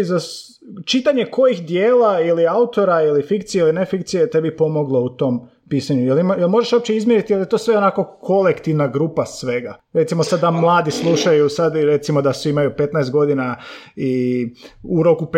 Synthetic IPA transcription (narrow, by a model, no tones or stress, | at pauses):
za | t͡ʃit̪aɲe̞ko̞jixd̪jeːlailiaut̪o̞ɾailifikt̪sijeiline̞fikt̪sijet̪e̞bipo̞mo̞ɡlˠo̞ut̪o̞m | piːsaɲujelmjelmo̞ʒeʃo̞p̚t͡ʃt͡ɕeizmjeɾit̪ijelˠje̞t̪o̞ːsʋe̞o̞nako̞kʰo̞le̞kt̪iʋnaɡɾuːpasʋe̞ɡaɾet̪simo̞sad̪amlˠaːd̪islˠuʃajusad̪ɾe̞t̪simo̞d̪asʋiimajupe̞t̪naest̪̚ɡo̞d̪inai | uɾokup